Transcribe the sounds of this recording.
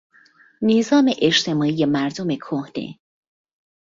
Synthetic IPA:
nizɒːmeʔeʃt̪ʰe̞mɒːijemæɾd̪ome̞kʰohd̪̥ḛ

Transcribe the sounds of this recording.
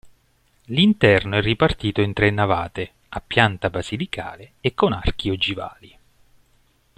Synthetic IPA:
lint̪ɛrnoɛrːipart̪iːt̪oint̪ɾenːava̰ːt̪e | apːjant̪abazilikʰa̰ːleekːona̰rk̟iod͡ʒiva̰ːli

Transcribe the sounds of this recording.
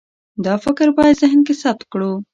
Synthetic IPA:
d̪ɑfɪkɾbɑjad̪zɪɦnkesap̚t̪̚kɽu

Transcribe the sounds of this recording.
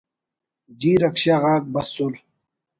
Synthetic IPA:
d͡ʑiːɾɐkɕaɣaːk̚bɐsul

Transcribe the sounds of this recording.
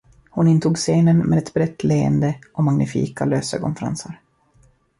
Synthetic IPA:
hʊnɪnt̪ʰuːɡseːnənmʔḛːd̪ɛt̪bɾɛt̪ːleə̰nd̪əɔmaŋnʔɪfḭːkaløːsəkʰɔ̰nfɛɾa̰nsaɾ

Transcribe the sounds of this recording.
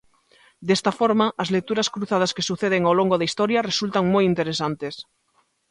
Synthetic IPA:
d̪est̪afoɾmaʔːzlek̚t̪uɾaskɾuθað̞askesuθeð̞eŋawloŋɡoðaist̪oɾjaresult̪aŋmojint̪eɾesant̪es

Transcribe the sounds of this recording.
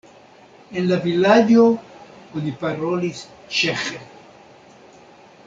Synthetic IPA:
enlaviladjooniparolis | t͡ʃeχe

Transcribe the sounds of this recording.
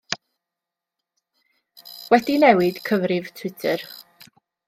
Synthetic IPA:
wɛdinɛwɪd̥kʰəvrɪv̥tʰw̥ɪtʰər

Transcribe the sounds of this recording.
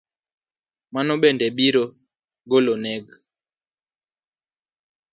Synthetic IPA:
manɔɓɛndɛɓiɾɔ | ɡɔlɔnɛɡ

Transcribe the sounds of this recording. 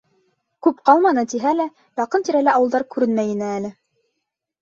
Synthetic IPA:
kʉpqɑlˠmɑnɤt̪iɦælæ | jɑqɤnt̪iɾælæɑwɤ̆lˠd̪ɑɾkʉɾɘnmæjɘ̆nɘælɘ

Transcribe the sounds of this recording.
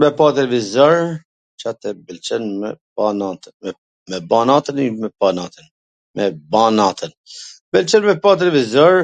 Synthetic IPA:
mɛpat̪̬ɛlɛvizaɾ | t͡ʃat̪ɛbɛlt͡ʃɛnmɛbanat̪ɛ | mɛbanat̪ənimɛpanat̪ən | mɛbanat̪ʰənbɛlt͡ʃɛnmɛpat̪̬ɛlɛvizɔɾ

